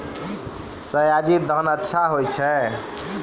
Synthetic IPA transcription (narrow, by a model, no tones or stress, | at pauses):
səjad͡ʒid̪ʱənətːʃʰaɦojt͡ʃʰɛ̃